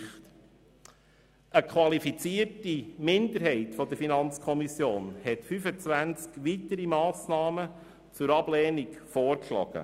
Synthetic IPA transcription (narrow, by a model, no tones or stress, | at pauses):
t | əkχʋɑlifit͡siərtimɪnd̪əɾɦɛɪtfɔd̪əɾfinɑnt͡skʰɔmisjoːnhɛtfyfət͡sʋænt͡skʋit̪əɾimɑːsnɑːmə | t͡sʊɾɑblɛːnikfoːrkʃlɑ̰ːɡ̥ə̰